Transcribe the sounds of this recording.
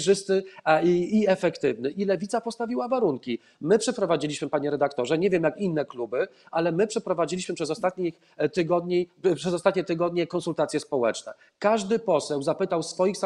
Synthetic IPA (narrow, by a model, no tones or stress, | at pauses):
ʐɘst̪ɘː | ɛfɛkt̪ɘvnɘʔilɛvʲit̪sapɔst̪avʲiwavaɾuŋkʲi | mɘpʂɛpɾɔvad͡ʑilʲiɕmɘpaɲɛɾɛd̪akt̪ɔʐɛɲevʲjɛmjakinːɛklubɘ | alɛmɘpʂɛpɾɔvad͡ʑilʲiɕmɘpʂɛzɔst̪at̪ɲix | t̪ɘɡɔd̪ɲipʂɛzɔst̪at̪ɲɛt̪ɘɡɔd̪ɲɛkɔnsult̪at̪sʲjɛspɔwɛ̰t͡ʂnɛ̰ | kaʐd̪ɘpɔsɛwzapɘt̪awsfɔjixsa